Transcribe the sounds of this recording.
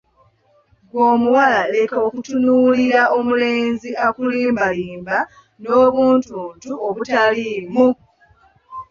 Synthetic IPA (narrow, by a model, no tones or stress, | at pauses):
ɡwoːmuwalaleko̞ːkutunuːliɾaʔo̞muleːnziʔakuliːmbaliːmba | noːβuːntuntuoβutaliːmu